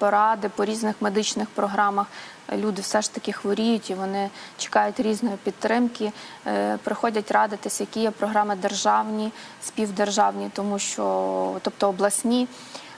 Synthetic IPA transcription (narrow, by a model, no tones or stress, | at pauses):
pɔɾɑd̪ɪpɔɾʲiznɪxmed̪ɪt͡ʃnɪxpɾɔɦɾɑmɐx | lʲud̪ɪwsɛʃt̪ɐkʲɪxʋɔɾʲijʊtʲiʋɔnɪt͡ʃɪ̥kɑjʊtʲɾʲiznɔjipʲid̪̚t̪ːɾɪmkʲɪ | pɾɪxɔdʲɐtʲrɑd̪ɪt̪ɪsʲɐjɐkʲijɛpɾɔɦɾɑmɪd̪erʒɑwnʲi | sʲpʲiwd̪erʒɑwnʲit̪ɔmuʃt͡ʃɔt̪ɔpt̪ɔːblˠɐsʲnʲi